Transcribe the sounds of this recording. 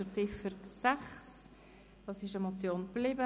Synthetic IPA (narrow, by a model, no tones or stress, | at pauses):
ʊt͡sɪfəɾsæχs | d̥ɑsɪʃəmot͡sjoːnplɪbə